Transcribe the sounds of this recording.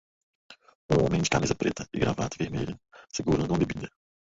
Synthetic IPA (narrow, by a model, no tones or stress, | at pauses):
ũõmẽj̃d͡ʒɪkamizɐpɾḛt̪ɐɪɡɾa̰va̰d̪ʊɪveɾmeʎʊsɪɡuɾɐ̃d̪ʊũd̪ebid̪ɐ